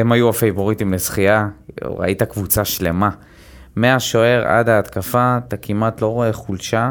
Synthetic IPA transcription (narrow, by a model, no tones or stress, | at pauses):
emajuafejbo̞ʁit̪imlesχiaʁa̰ʔit̪akvut͡saʃle̞̰ma | meaʃoe̞ʁa̰daːt̪kafat̪akimat̪lo̞ʁoe̞χulʃa